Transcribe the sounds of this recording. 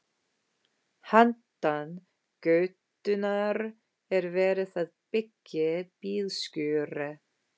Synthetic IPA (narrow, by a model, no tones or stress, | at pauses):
hant̪an | kœːɥt̪ʏnaɾ | ɛɾvɛːɾɪθaðpɪcːɪpiːlscʏːɾɪ